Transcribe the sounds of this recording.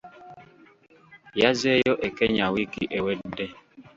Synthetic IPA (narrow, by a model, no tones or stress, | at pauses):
jazejɔʔekɛɲawikḭʔewedɛ